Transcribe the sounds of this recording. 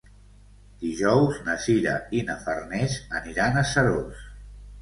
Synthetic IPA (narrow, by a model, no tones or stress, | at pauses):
d̪iʒɔwznəsiɾə̰inəfərnɛzəniɾanəsəɾos